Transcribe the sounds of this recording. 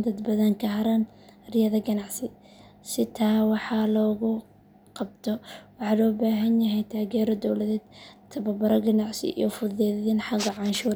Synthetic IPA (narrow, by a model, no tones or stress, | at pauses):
d̪ɐd̪bɐðɐŋkʰɐɦɐɾɐn | rɪjɐðɐɡɐnɑʕsɪ | sɪt̪ʰaːwɑħɑlɔːɣʊ | qɑb̚t̪ʰɔwɑħɑːlɔːbaːɦɐnjɐɦɛjt̪ʰaːɣɛːɾɔd̪ɔwlɐðɛːd̪t̪ʰɐβɐbɐɾɔɡɐnɑʕsɪ̰ʔḭjɔfʊðɛːðɪnħɑɡɐʕɑnʃuːɾ